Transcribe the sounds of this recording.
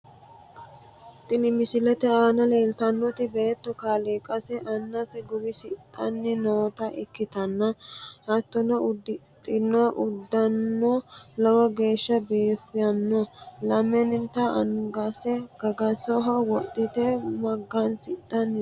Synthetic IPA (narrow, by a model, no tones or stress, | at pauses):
t̪ʼːɪnɪmɪsɪlɛt̪ɛaːnɐle̞ːlt̪ɐnːɔt̪ɪbeːt̪ːɔkaːliːkʼɐsɛʔɐnːɐsɛɡʊbɪsɪt̪ʼːɐnːɪnoːt̪ɐʔɪkːɪt̪ɐnːɐhɐt̪ːɔnɔʊd̪ːɪt̪ʼːɪnːɔʔʊd̪ːɐnːɔlɐwɐɡe̞ːʃːɐbiːfːɪjɐnːɔlɐmːɛnɪnt̪ːɐɐŋɡɐsɛɡ̥ɐɡɐsɔɦɐwɔɗːɪt̪ɛmɐɡːɐnsɪt̪ʼːɐnː